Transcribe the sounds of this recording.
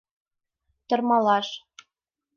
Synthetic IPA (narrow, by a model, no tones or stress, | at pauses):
t̪ɤ̆rmɑlɑʃ